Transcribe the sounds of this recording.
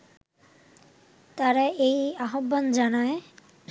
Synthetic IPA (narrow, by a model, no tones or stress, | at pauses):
t̪aɾaejaɦobːand͡ʑanae